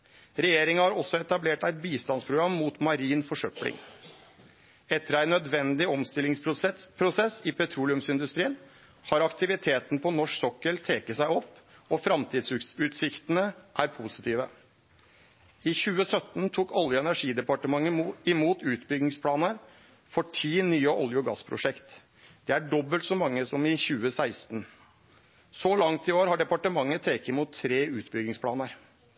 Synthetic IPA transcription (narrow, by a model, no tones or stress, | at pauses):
ɾɛjeːɾɪŋɑhɑɾɔsːɔɛt̪ɑbleːʈæɪt̪̚biːst̪ɑnspʰɾʊɡɾɑmːuːt̪mɑɾiːnfɔʂœplɪ̰ŋ | ɛt̪ːəɾæɪnœd̪ʋɛnd̪ɪɔmst̪ɪlɪŋspʰɾʊsɛsːɪpʰɛt̪ʰɾuːlɪʉmsɪnd̪ʉst̪ɾiːən | hɑɾɑkt̪ɪʋɪt̪ʰeːt̪npʰɔnɔʂksɔkːəɭt̪ʰeːkəsæɪɔpːɔfɾɑmt̪ʰiːd̪sʉsʉːt̪sɪkt̪ənəʔæɾpʰuːsɪ̥t̪ʰiːʋə̰ | ɪçʉːəsœt̪ːn̩t̪ʰuːkɔljʊɛnæʂiːd̪ɛpɑʈəmɑŋːəɪmuːt̪ʉːt̪bʏɡɪŋspʰlɑːnəɾ | fɔʈʰiːnyːəʔɔljʊɡɑ̰spʰɾʊ̰ʂɛkt̪ | d̪̥ɛæɖɔbːəlt̪sɔmɑŋːəsɔmɪçʉːəsæɪst̪n̩ | sɔlɑŋt̪ɪoːɾhɑɖɛpɑʈəmɑŋːət̪ʰeːkəɪmuːt̪ʰːɾeːʉːt̪bʏɡɪŋspʰlɑːnəɾ